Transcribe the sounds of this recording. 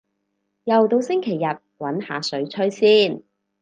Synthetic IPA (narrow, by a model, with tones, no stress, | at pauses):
jɐ˨wt̪o˧wsɪ˥ŋkʰe˨˩jːɐ˨t̚wɐ˨˥nha̰ː˨sɵ˨˥ɥt͡ʃʰɵ˥ɥsiː˥n